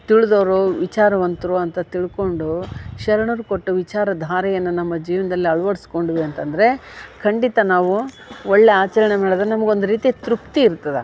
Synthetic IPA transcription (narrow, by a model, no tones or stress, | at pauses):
t̪iɭud̪oːɾuʋit͡ʃaːɾɐʋɐnt̪ɐɾuɐnt̪ɐt̪iɭko̞ɳɖuʃɐɾɐɳuɾuko̞ʈːuʋit͡ʃaːɾɐd̪ʱaːɾɛjɐnːunɐmːɐd͡ʒiːʋɐnɐd̪ɐlːiɐɭʋɐɽisko̞ɳɖiʋiɐnt̪ɐnd̪ɐɾe̞kʰɐɳɖit̪ɐnaːʋu | ɔɭːeaːt͡ʃɐlɐɳemeːɭɐd̪nɐmɐɡeo̞nd̪uɾiːt̪it̪ɾupt̪iːɾt̪ːɐd̪ḛ